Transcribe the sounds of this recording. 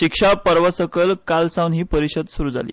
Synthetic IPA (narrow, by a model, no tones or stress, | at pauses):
ɕikʂapəɾʋəsəkəlkalsãwnɦiːpəɾiɕəd̪suɾuːd͡za̰lḭː